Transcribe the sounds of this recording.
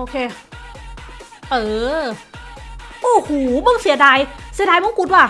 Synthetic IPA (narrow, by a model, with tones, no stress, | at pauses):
ʔoː˧kʰeː˧ | ʔɤː˧˩ | ʔoː˧˩huː˨˩˦bɤ˧˩˨ŋsi˨˩˦daː˧jsi˨˩˦daː˧jmɔ˧˥ŋku˧t̪̚waː˧˩